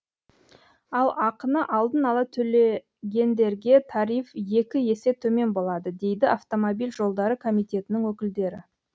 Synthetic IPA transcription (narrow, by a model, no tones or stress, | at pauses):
ɑlˠɑqənəʔɑlˠd̪ənɑlˠɑt̪ʰɵle̞ | ɡʲe̞nd̪e̞ɾɡʲe̞t̪ʰɑɾijfje̞kʲɪje̞se̞t̪ʰɵme̞nbo̞lˠɑd̪əd̪e̞jd̪ɪɑft̪o̞mobijlʲʒo̞lˠd̪ɑɾəkʰo̞mijt̪e̞t̪ɪnɪŋwɵkʲɪld̪e̞ɾɪ̰